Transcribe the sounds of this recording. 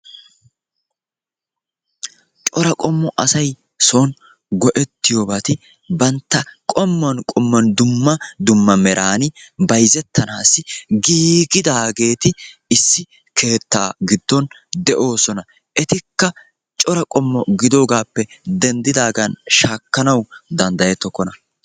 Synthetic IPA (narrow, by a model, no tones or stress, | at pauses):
t͡ʃʼɔɾɐkʼɔmːɔʔɐsɐj | son | ɡɔʔɛt̪ːɪjoːbaːt̪ɪ | bɐnt̪ːɐkʼɔmːɐnkʼɔmːɐnd̪ʊmːɐd̪ʊmːɐmɛɾʔaːnɪbɐjzɛt̪ʰːɐnaːsːɪɡiːɡɪd̪aːɡe̞ːt̪ɪɪsːɪ | kʰe̞ːt̪ːaːɡɪd̪ːɔn | d̪ɛʔo̞ːsɔnɐ | ʔɛt̪ɪkːɐ | t͡ʃʼɔɾɐkʼɔmːɔɡɪd̪o̞ːɡaːpːɛd̪ɛnd̪ɪd̪aːɡɐnʃaːkːɐnɐwd̪ɐnd̪ɐjɛt̪ːɔkːɔnɐ